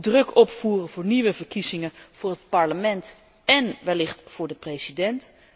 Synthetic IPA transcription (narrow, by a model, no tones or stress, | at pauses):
drɵkɔpfuːrəvʊːɹniʋəvəɹkizɪŋəv̥ʊːɹɦətpɑɹləmɛnt | ɛnʋɛlɪχtfʊːɹdəprejsidɛnt